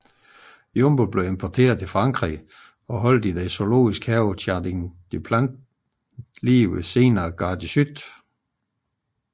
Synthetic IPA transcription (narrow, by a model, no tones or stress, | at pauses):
jomb̥ob̥le̝ʊe̝mpʰɒt͡sʰe̝̰ːɐðˠt͡sʰe̝lfʁɑ̈ŋɡ̥ʁḭ | ɒ̽ɦɒ̽l̰d̥id̥eso̝lo̝̰ːisɡ̥hɛʊɕʰæd̥iŋd̥ipʰlænd | liese̝ːnɐːɡ̥ɑ̈ːd̥isyd̥